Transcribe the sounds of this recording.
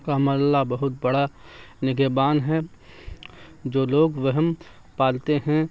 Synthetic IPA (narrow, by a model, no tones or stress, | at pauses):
kamaɾəlːabɐɦʊt̪̚bɐɽa | nɪɡebaːnɦɛ | d͡ʒoːloːɡʋəɦm | paːlt̪eɦɛ̃